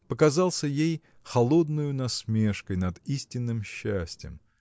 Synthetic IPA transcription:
pəkɐzɑlˠsʲəjej | xɐlˠod̪nʊjʊnɐsmʲe̞ʂkəjnɐd̪isʲtʲɪnːɨmɕːæsʲtʲjə̰m

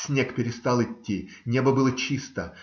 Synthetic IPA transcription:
sʲnʲekpʲɪɾʲɪst̪alˠɪtʲːinʲebəbɨlˠət͡ɕist̪ə

